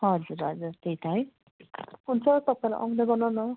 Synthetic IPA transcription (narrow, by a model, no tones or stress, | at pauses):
ɦʌd͡zuɾɦʌd͡zuɾt̪eɦjt̪ʰʌɦʌj | ɦunt͡sʰʌt̪ʌpaĩla̰ʔʌŋnʌɡʌnanʌ